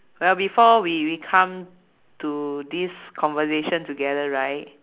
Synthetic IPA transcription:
wɛlbifɔwiwikʰãm | tudiskʰɔ̃nvəseʃə̃ntuɡɛdəɹaɪt̚

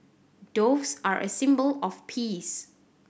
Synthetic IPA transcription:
d̥ovsaɹʔə̰sɪ̃mbəlɔfpʰis

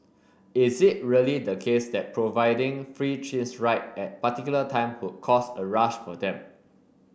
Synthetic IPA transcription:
ɪzɪt̚ɹiəlidəkʰesdɛt̚pʰɹovaɪdɪ̃ŋfɹit͡ʃʰĩnsɹaɪt̚ɛt̚patikjulətʰãɪ̃mhwʊd̚kʰɔsəɹaʃfɔdɛ̃m

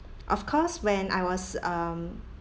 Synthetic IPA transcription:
ʔɔfkʰɔswɛ̃na̰ɪwɔsʌm

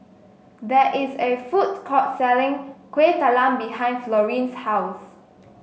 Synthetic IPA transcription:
d̪ɛʔisefut̚kʰɔt̚sɛlɪ̃ŋkwetalãmbiɦãɪ̃nflɔɹĩnshaws

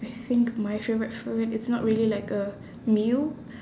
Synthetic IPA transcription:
ajθɪ̃ŋkmajfevɹɛtfɛvɛ̃tɪtsnɔt̚ɹiəlilaɪkə | mil

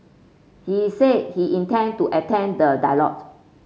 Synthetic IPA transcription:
hised̚hiʔĩntɛ̃ntuʔɛtʰɛ̃ndədalɔ̰t

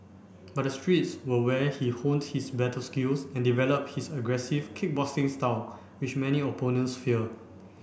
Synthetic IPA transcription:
bat̚dəstɹitswəwɛhihõnthisbɛtəlskilsɛ̃ndivɛləp̚hisəɡɹɛsivkʰɪk̚bɔsɪ̃ŋstaʊ | wit͡ʃmɛniɔponə̃nsfil

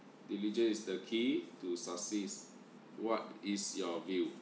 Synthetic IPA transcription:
dilid͡ʒə̃nisdəkʰitusasis | wɔt̚isjɔvi

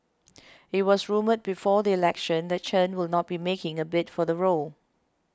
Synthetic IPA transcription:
ɪt̚wɔsɹũməd̚bifɔdiilɛkʃə̃ndɛt̚t͡ʃʰə̃nwɪlˠnɔt̚b̥imekɪ̃ŋəbɪtfɔðəɹolˠ

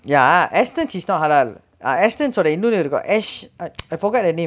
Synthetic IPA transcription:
jaʔɛstə̃nʃisnɔt̚ɦalal | a̰ɛstə̃nsɔdəinũnuɾiɡɔ̰ɛʃaajfɔɡɛt̚dənẽ

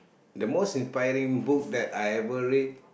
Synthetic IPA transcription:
dəmostĩnspajɹĩŋbuk̚dɛtajɛvəɹet̚

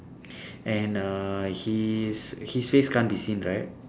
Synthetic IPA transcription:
ʔɛ̃nʌhishisfeskãnbisĩnɹaɪt̚

